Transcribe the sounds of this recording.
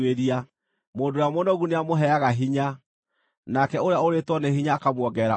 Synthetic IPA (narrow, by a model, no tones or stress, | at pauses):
eɾia | moːndojamonɔɣuneamoɦɛaɣaɦiɲa | nakɛoɾeaoɾetwɔneɦiɲaːkamwɔɡɛɾa